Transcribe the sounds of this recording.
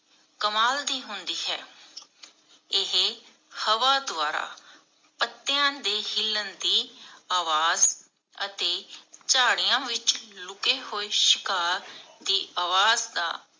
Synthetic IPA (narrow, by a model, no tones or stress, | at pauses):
kəmaːld̪iːɦʊnd̪iːɦɛ̰ː | ɪɦe | həʋaːd̪ʊaːɾa̰ː | pət̪ːɪjãːd̪eːhɪlːənd̪iːaːʋaːz | ət̪eːt͡ʃaːɽɪjãːʋɪt͡ʃlʊkeːhoːeːʃɪkaːɾd̪iːaːʋaːzd̪a̰ː